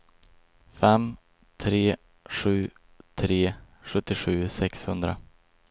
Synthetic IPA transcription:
fɛm | t̪ʰɾeː | ɧʉ̟ː | t̪ʰɾeː | ɧɵt̪ːɪɧʉ̟ːsɛkshɵnd̪ɾa̰

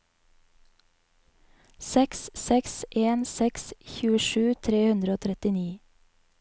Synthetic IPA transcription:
sɛkssɛksʔeːnsɛksçʉːəʃʉːt̪ʰɾeːhʉnd̪ɾəoːt̪ʰɾɛt̪ɪniː

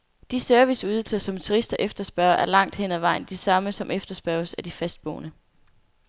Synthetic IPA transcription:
d̥isøɐʋisuðˠl̩sɐsɒ̽mt͡sʰuʁisd̥ɐʔefd̥ɐsb̥ɶɐɐʔæɐlɑ̈ŋ̰d̥hen̰æʋɑ̈ɪ̰n̩d̥isɑ̈məsɒ̽mʔefd̥ɐsb̥ɶɐsæd̥ifæsd̥̚b̥ɔ̰ːnə

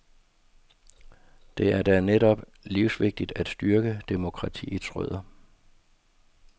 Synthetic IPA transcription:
d̥e̝æɐd̥æneɾɒ̽b̥ | liʊsʋe̝ɡ̥̚d̥id̥æd̥sd̥yɐɡ̥əd̥emo̝kʰʁɑ̈t͡sʰḭːit͡sʰʁœð̰ˠɐ

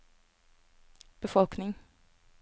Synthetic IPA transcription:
b̥əfɔlknɪŋ

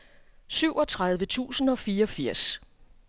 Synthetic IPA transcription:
syʊ̰ʔɒ̽t͡sʰʁaðˠʋət͡sʰṵːsn̩ɒ̽fiːɐɒ̽fiɐ̰s

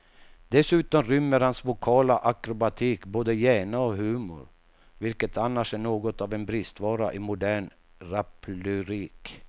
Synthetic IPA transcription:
d̪̥ɛsʉ̟ːt̪ɔmɾʏmːəɾhansvʊkʰɑːlaʔakɾʊbat̪ʰiːkboːd̪əjæːɳaɔɦʉ̟ːmʊ̰ɾ | vɪlkət̪ʰanːaʂæɳoːɡɔt̪ɑvɛnbɾɪst̪vɑːɾa̰ʔɪmʊd̪æːɳ | ɾapʰlʉɾiːk

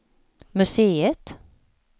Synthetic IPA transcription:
mɵseːət̪

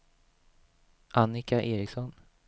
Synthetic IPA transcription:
ʔanːɪkaʔeːɾɪksɔn

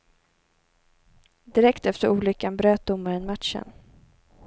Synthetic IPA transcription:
d̪ɪɾɛkt̪ɛft̪əɾʔuːlʏkːanbɾøːt̪̚d̪ʊmːaɾɛnmat̪ʃə̰n

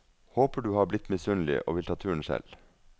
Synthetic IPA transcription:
hoːpəɖʉːhɑːblɪt̪mɪsʉnlɪ̰ʔo̰ːʋɪlt̪ʰɑːt̪ʰʉːəɳ̩ʃɛ̰l

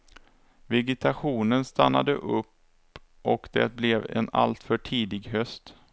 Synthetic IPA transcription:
vɛɡɪt̪ʰaɧuːnənst̪anːa̰d̪ə̰ʔɵpː | ʔɔkd̪ɛ̰t̪̚blɛvɛ̰na̰lt̪fœʈʰiːd̪ɪɡɦœst̪

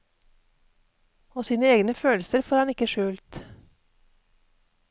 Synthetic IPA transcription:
oːsiːnəeːɡnəføːlsəɾfoːɾhɑnɪkəʃʉːlt̪

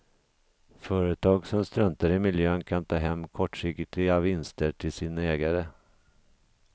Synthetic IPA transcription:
fœːɾət̪ʰɑːɡsɔmst̪ɾœnt̪aɾɪmɪljøːnkʰant̪ʰɑːɦɛmːkʰɔʈːʂɪkt̪ɪavːɪnst̪əʈʰɪlsiːnaɛːɡaɾə

